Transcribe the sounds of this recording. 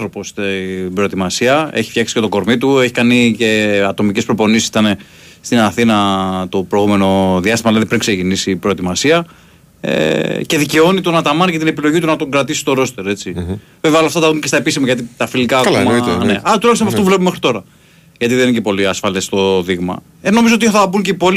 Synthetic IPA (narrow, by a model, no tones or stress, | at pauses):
θɾopo̞st̪bɾo̞et̪imɐsiɐe̞̰çi̥fçɐksi̥et̪oɡo̞ɾmit̪ue̞çi̥kɐnice̞ɐt̪o̞micespɾo̞po̞nisit̪ɐne̞ | st̪inɐθinɐt̪opɾoiɣume̞no̞ðjɐst̪imɐlɐðipɾiŋkse̞cinisipɾo̞et̪imɐsiɐ | ḛce̞ðice̞o̞nit̪onɐt̪ɐmɐnicet̪ine̞pilo̞ʝit̪̬unɐt̪o̞ɡɾɐt̪isi̥st̪o̞ɾo̞st̪eɾe̞t͡sive̞veolɐft̪ɐt̪ɐðuncest̪ɐepis̬imɐʝɐt̪it̪ɐfilikaːkomɐneɐɐt̪ulɐçst̪mpɐft̪ovlepumexɾit̪o̞ɾɐ | ʝɐt̪iðencepo̞liɐsfɐlest̪o̞ðiɣmɐ̰ | eno̞mizoot̪iθɐbuɲceipo̞li